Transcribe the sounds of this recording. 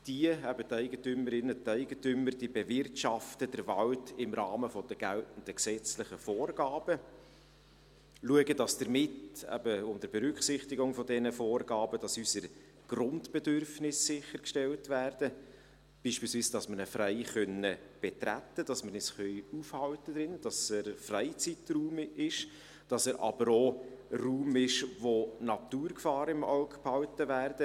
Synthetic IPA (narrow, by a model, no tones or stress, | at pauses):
d̥iəæbətæɪɡətʏməɾɪnətæɪɡətʏməɾd̥ibɛvɪrtʃɑftədəɾvɑwtɪmɾɑːməfɔd̥əɡ̥æ̰ltn̩d̥əksɛt͡slɪχəfoːrɡ̥ɑːb̥ə | luəɡəd̥ɑsd̥əɾmɪtæ̰bəʊmdəɾbɛɾʏkχsɪχtɪɡʊŋfɔdɛnəfoːrɡ̥ɑːbəd̥ɑsysəɾ | ɡ̥rʊntb̥ɛdørfnɪsːɪχəɾkʃtɛltvæːɾd̥ə | b̥iːʃpiːlsviːsd̥ɑsməɾnəfræɪχœnəb̥ɛtɾæ̰t̪ːəd̥ɑsməɾnɪsχœʏufhɑltəd̥̪ɾɪnd̥ɑsəɾfræɪt͡sitruːmɪʃ | d̥ɑsəɾʔɑ̰b̥əɾoruːmɪʃʋonɑtuːɾkfɑːɾɪmɑ̰ʊkphɑwtəvæːrd̥ə